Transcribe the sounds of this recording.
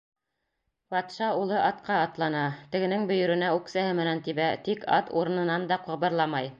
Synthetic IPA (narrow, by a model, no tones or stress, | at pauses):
bɑt̪ʃɑulˠɤʔɑt̪qɑːt̪lˠɑnɑt̪ɘ̆ɡɘ̆nɘŋbɵ̆jɵ̆ɾɘ̆næʉksæhɘmɘ̆nænt̪iβæt̪ikɑ̰t̪ṵɾɤ̆nɤ̆nɑnd̪ɑqɤ̆βɤ̆ɾlˠɑmɑj